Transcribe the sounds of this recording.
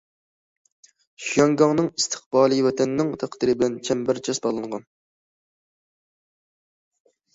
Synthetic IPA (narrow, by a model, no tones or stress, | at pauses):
ʃjɑŋɡɑŋnɨŋist̪ʰɨ̥χbɑːlˠiwɛt̪ʰɛnːɪŋt̪ʰæqd̪ɨɾɨbɪlɛnt͡ʃʰɛmbæɾt͡ʃʰɛsbɑlˠɨɴʁɑn